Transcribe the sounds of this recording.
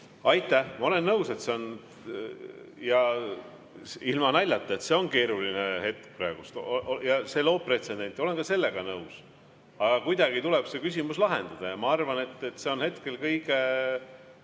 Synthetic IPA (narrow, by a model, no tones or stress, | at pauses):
ɑjt̪ːˑæhmɑo̞le̞nːɤwse̞t̪se̞o̞n | jɑ | ilmɑnælʲːɑt̪ːˑɑet̪se̞o̞nke̞ːɾulinehe̞t̪̚k̚præeɡ̥ust̪oʔojɑse̞lo̞ːp̚pre̞t̪se̞nd̪e̞nt̪ːˑo̞le̞nkɑse̞lːe̞ɡ̥ɑnɤws | ɑɡ̥ɑkujd̪̥ɑɡit̪uleb̥se̞kys̬ʲimuslɑɦe̞̰nd̪̥ɑd̪̥ɑjɑmɑɑrvɑne̞t̪ːet̪ːse̞o̞nhe̞t̪ke̞lkɤjɡe̞